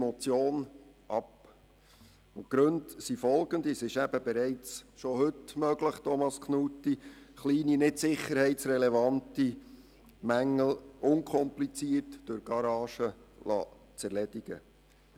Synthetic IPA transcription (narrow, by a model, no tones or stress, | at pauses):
mɔt͡sjoːnʔɑp | ʊtɡ̥ɾɵntsifɔlɡənd̪isɪʃæb̥əbɛɾɛɪt͡sʃohɵtmœɡ̥ləχt̪ʰɔmɑskχnutːiχliːninɪtsɪχːəɾhɛɪtsɾɛlɛvɑnti | mæŋːəl̩ʊŋkʰɔmplit͡siːətd̥øɾɡ̥ɑɾɑːʃəlɑ̰ | t͡sæɾlɛd̥iɡ̥ə̰